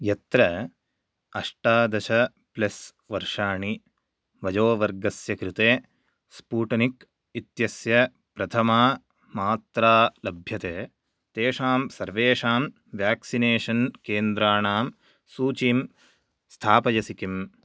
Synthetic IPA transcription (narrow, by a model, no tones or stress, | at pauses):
jɐt̪ɾɐ | ɐʂʈaːd̪ɐʃɐ | plɐs | ʋɐɾʂaːɳi | ʋɐd͡ʒoːʋɐɾɡɐsjɐkɾit̪eː | spuːʈɐnik | it̪jɐsjɐ | pɾɐt̪ʰɐmaː | maːt̪ɾaːlɐbʱjɐt̪eː | t̪eːʂaːmsɐɾʋeːʂaːm | ʋjaːksineːʂɐnkeːnd̪ɾaːɳaːm | suːt͡ʃiːm | st̪ʰaːpɐjɐsikim